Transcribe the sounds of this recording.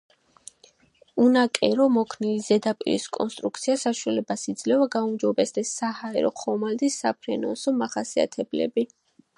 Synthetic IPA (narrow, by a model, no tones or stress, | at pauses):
unakʼɛɾɔmɔkʰnilizɛd̪apʼḭɾḭskʼɔ̰nst̪ʼɾuk̚ʰt̪sʰiasaʃualɛbasid̪zlɛvaɡaumd͡ʒɔbɛsd̪ɛsːahaɛɾɔ̰χʰɔmald̪isapʰɾɛnɔnsɔmaχasia̰t̪ʰɛblɛ̰bi